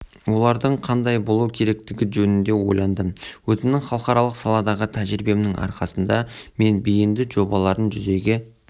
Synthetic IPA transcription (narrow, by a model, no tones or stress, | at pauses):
wo̞lˠɑɾd̪əɴqʰɑnd̪ɑjbo̞lˠukʲʰe̞ɾe̞k̚t̪ɪɡʲɪʒɵnɪnd̪e̞wo̞̰jlˠɑnd̪əmwɵzɪmnɪŋχɑlˠəqɑɾɑlˠəqsɑlˠɑd̪ɑʁət̪ʰæʒɾibe̞mnɪŋʔɑ̰ɾqɑsənd̪ɑme̞nbijɪnd̪ɪʒo̞bɑlˠɑɾənʒʏze̞ɡʲe